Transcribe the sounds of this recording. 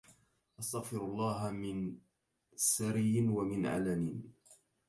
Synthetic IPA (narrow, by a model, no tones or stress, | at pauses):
ʔɑst̪aɣfɪɾɑlˤːɑːɦmɪn | saɾɪjɪnwamɪnʕa̰lanin